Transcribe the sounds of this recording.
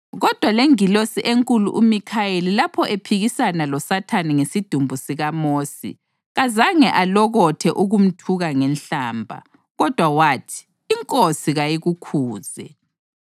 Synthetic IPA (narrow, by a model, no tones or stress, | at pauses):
ɣɔd̥ʱwaleŋilosiʔeŋkʼulṵʔumikʰajelilapʰɔʔepʰiɣisanalɔsatʰaniŋesid̥ʱumbʱusiɣamoːsḭ | ɣazaŋɛʔalɔɣɔtʰɛʔuɣum̩tʰuɣaŋɛnɬaːmbʱa̰ | ɣɔd̥ʱwawaːtʰi̥ː | ŋkʼosiɣajiɣukʰuːz̥ɛ̰